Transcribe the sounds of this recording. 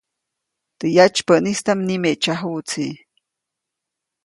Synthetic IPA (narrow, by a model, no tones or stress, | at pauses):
t̪əjat͡ʃpəʔnist̪amnimeʔt͡ʃaɦut͡si